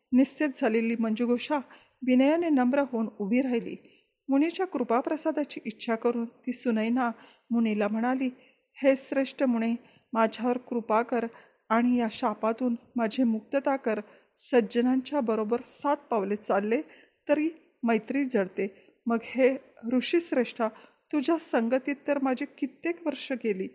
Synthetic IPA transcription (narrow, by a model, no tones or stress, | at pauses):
nist͡sit̪̚d͡zʱaleliːm̤əɳd͡ʑeɡʱoʂa | ʋinəjanenəmbɾəɦoːnubʱiːɾajlḭː | muɽ̃it͡ɕjakɾupapɾəsad̪at͡ɕiːʔitːɕʰakəɾuːnt̪iːsunəjna | muñilam̤əɽ̃aliː | hesɾeʂʈəmuɽ̃i | mad͡ʑʱaʋəɾkɾupakəɾ | aɽ̃ijaɕapat̪uːnmad͡ʑʱemuk̚t̪ət̪akəɾ | səd͡ʑənaɲt͡ɕjabəɾobəɾsat̪̚paʋlet͡salːe | t̪əɾiː | məjt̪ɾiːd͡zʱəɽt̪e | məɡheɾuʂiːsɾeʂʈa | t̪ud͡ʑʱjasəŋɡət̪iːt̪ːəɾmad͡ʑʱekit̪ːekʋəɾʂəkeliː